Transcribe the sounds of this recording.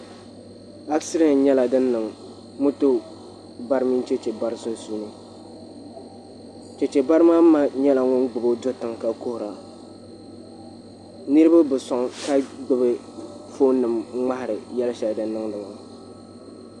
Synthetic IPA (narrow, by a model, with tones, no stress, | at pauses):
a˦ksɪ˦ɾi˨n˦ɲɛ˦la˨dɨ˦nːɨ˨ŋ | mʊ˦to˦ | ba˦ɾɨ˦mi˦n˦t͡ʃɛ˦t͡ʃɛ˨ba˦ɾɨ˦sʊ˦n˦su˦nɨ˦ | t͡ʃɛ˨t͡ʃɛ˨ba˦ɾɨ˦ma˦m̩˦ma˦ɲɛ˦la˨ŋʊ˦ŋɡ͡bʊ˨bo˦do˦tɨ˨ŋka˦ko˦hʊ˨ɾa˨ | nɨ˦ɾɨ˦ba˦bɨ˨sɔ˨ŋka˦ɡ͡bɨ˦bɨ˦ | fo˦nɨ˨mŋ͡ma˦hɪ˨ɾɨ˨jɛ˦lɨ˦ʃɛ˨dɨ˨nɨ˦ŋdɨ˨ma˨